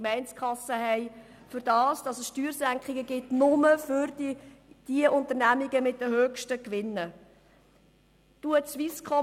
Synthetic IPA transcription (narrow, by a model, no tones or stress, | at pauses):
mɛɪnt͡skχɑsəɦɛɪ | fʏɾdɑːsd̥ɑsəsʃtyːɾsæŋkχɪɡəɡɪtnʊməfʏɾ | d̥iəʔʊntəɾnæmiɡəmɪt̚d̥əɦøːkʃtəkʋɪnːə | tuət͡sʋiskχɔ